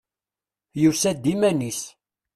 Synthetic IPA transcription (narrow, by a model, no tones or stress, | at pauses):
jusæd̪ːimænis